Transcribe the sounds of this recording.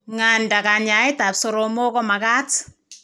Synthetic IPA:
ŋa˨nda˨ka˨ɲa˨jta˨pso˨ɾo˨mo˦kɔ˦ma˨ka˦t

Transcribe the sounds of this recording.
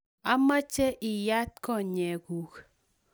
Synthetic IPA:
a˦ma˦t͡ʃe˦ʔɪ˨ja˦t̚kɔ˦˨ɲɛ˨ɡu˨k

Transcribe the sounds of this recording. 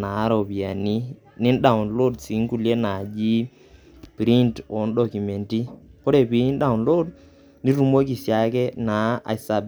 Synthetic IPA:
na˨˦ɾo˨pi˨a˨ni˦ | ni˦nɗa˨u˨nlo˦dsi˨˦ŋku˦˨lje˦na˨d͡ʒi˦ | pɾi˦nto˨˦nɗɔ˨ku˨me˨nti˦ko˦ɾe˨pi˨ni˦nɗa˨u˨nlo˦d̚ | ni˦ɾu˦˨mo˦k̬i˨sja˨˦kɛ˦na˨˦a̰˨i˨sa˨b

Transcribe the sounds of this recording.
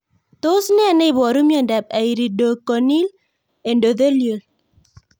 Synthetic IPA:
t̪o˦snɪ˦a˨ne˦˨bɔ˨ɾu˦mjɔ˨ndɛ˨p̚a˨i˨ɾi˨do˨kɔ˨ni˦l | e˨ndo˨d̪e˦ljo˨l

